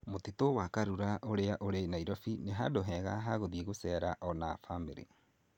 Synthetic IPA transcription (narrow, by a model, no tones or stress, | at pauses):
motitowakaɾuɾaʔoɾeaʔoɾenaiɾɔfineɦadoɦɛɣa̰ɦaɣoðieɣosɛɾaʔɔna̰famḛɾḛ